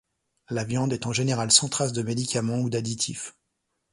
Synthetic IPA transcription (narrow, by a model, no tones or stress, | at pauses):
lavjɑ̃d̪ɛt̪ɑ̃ʒeneʁalsɑ̃t̪χas̬d̪əmed̪ikʲamɑ̃ud̪ad̪it̪ʰif